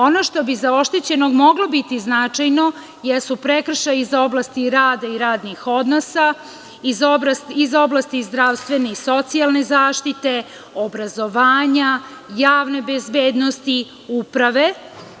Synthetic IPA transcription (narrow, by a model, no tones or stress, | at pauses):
onoʃt̪o̞bizao̞ʃt̪et͡ɕe̞no̞ɡmo̞ɡlobit̪iznat͡ʂajno̞ | jesupɾekr̩ʃajizo̞blast̪iɾaːd̪aiɾaːd̪nixo̞d̪no̞sa | izosizo̞blˠast̪izd̪ɾaʋst̪ʋe̞neiso̞t̪sialˠne̞zaːʃt̪it̪e̞ | obɾazo̞ʋaːɲa | jaːʋne̞bezbeːd̪no̞st̪i | upɾaʋe̞